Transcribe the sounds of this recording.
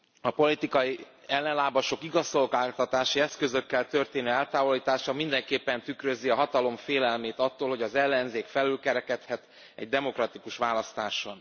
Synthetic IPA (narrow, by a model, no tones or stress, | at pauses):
ɒpo̞lit̪ikɒji | ɛlːɛnlaːbɒʃo̞kiɡɒsolɡaːt̪ɒt̪aːʃiɛskø̞zø̞kːɛlt̪ø̞rt̪eːnøːɛlt̪aːvo̞liːt̪aːʃɒmind̪ɛŋkeːpːɛnt̪ykrøziɒɦɒt̪ɒlo̞mfeːlɛlmeːt̪ɒt̪ːoːlho̞ɟɒzɛlːɛnzeːkfɛlylkɛɾɛkɛt̪hɛt̪ | ɛ̰ɟ̚d̪ɛmo̞krɒt̪ikuʃʋaːlɒst̪aːʃon